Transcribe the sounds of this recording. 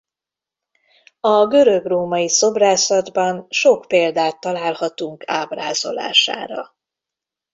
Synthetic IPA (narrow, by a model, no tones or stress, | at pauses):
ɒɡø̞ɾøɡroːmɒjiso̞braːsɒd̪bɒnʃo̞kpeːld̪aːt̪ːɒlaːlhɒt̪uŋkʰaːbraːzo̞̰la̰ːʃa̰ːɾɒ̰